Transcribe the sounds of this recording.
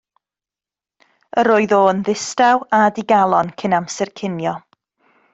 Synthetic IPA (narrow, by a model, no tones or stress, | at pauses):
əɾoːɨðoːnðɪstawadɪɡalˠɔnkʰənamsɛrkʰɪnjɔ